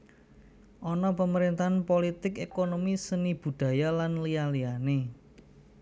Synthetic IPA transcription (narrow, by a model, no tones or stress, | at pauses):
ʔɔnɔpəməɾent̪anpolit̪ɪkekonomisənib̥ṳd̪̥ä̤jalanlialiane